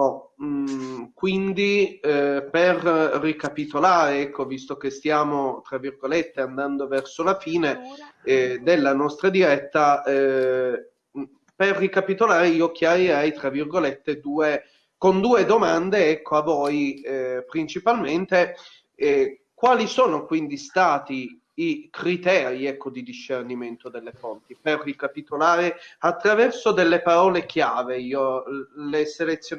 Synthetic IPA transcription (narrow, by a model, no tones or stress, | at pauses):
ɔ | kwind̪i | perːikapit̪olaːɾeɛkːovist̪ok̟est̪jaːmot̪ɾavːirɡolet̪ːeand̪and̪ovɛrsolafiːne | d̪elːanɔst̪ɾad̪iɾɛt̪ːa | perːikapit̪olaːɾeiːokjaɾiɾɛjt̪ɾavːirɡolet̪ːed̪uːe | kond̪uːed̪omand̪eɛkʰːoavːɔːjpɾint͡ʃipalment̪e | kwaːlisoːnokwind̪ist̪aːt̪iː | kɾit̪ɛːɾiɛkːod̪id̪iʃːerniment̪od̪elːefont̪iperːikapit̪olaːɾeat̪ːɾavɛrsod̪elːepaɾɔːlek̟jaːveiːoleselet̪sːj